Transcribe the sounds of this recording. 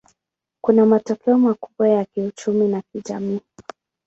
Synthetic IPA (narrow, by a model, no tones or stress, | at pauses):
kunamatɔkɛɔmakuɓwajakiut͡ʃuminakiʄamiː